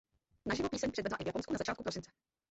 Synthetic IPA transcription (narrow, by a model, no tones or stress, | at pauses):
naʒɪvopiːsɛɲprɛdvɛdlaʔɪvjaponskunazat͡ʃaːt̪̚kupɾo̞sɪnt͡sɛ̥